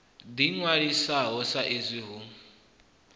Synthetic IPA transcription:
d̪iŋwaɺisaɦɔsaʔezʷiɦu

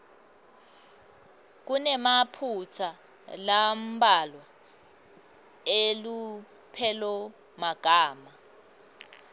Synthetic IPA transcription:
k̬unɛmapʰut͡sʰa | lam̩balwa | elu | pʰɛlɔ | maɡ̥ʱaːma

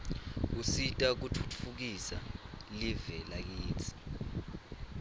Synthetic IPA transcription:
usitʼak̬utʰu̥tʰufuk̬isa̰livɛlak̬iːt͡sʰi̥

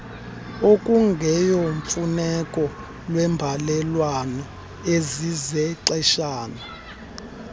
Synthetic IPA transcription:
okʼuŋɡʱɛjoɱfunɛkʼɔ | lwɛmbʱalɛlwanɔ | ezizɛǀɛʃaːna

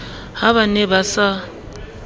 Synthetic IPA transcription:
haβanebasa

